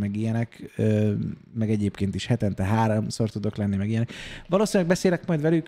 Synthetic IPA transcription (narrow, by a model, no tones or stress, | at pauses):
mɛɡijɛnɛkø | mɛɡɛɟeːpkeːnt̪iʃhɛt̪ɛnt̪ɛɦaːɾomso̞rt̪ud̪o̞klɛnːimɛɡijɛnɛkʋɒloːsinlɛɡ̚bɛseːlɛkmɒjd̪ʋɛlyk